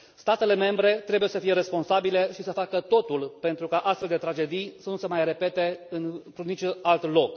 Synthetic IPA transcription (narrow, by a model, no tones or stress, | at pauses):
st̪at̪e̞le̞me̞mbɾe̞t̪ɾe̞buje̞səfije̞ɾe̞spo̞nsabile̞ʃisəfakət̪o̞t̪ulpe̞nt̪ɾukaʔast̪feld̪e̞t̪ɾad͡ʒe̞d̪ijsənusəmajre̞pe̞t̪e̞ɨnt̪ɾunit͡ʃualt̪lo̞k